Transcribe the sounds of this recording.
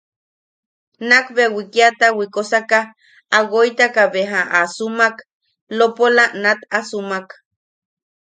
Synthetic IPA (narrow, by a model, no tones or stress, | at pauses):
nakβewikiat̪awikosakah | aɡojt̪akaβeɦaʔasumak | lopolanat̪asumak